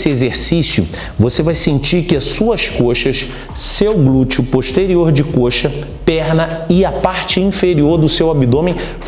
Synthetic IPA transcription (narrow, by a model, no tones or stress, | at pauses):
sɪezeɾsisjʊ̰ | vosevajsẽnt͡ʃiɾkɪɐsuɐskoʃɐs | sewɡlut͡ʃʊpoʃt̪eɾioɾd͡ʒɪkoʃɐ | pɛɾnɐɪɐpaɾt͡ʃɪĩfeɾioɾd̪ʊsewabid̪õmẽj̃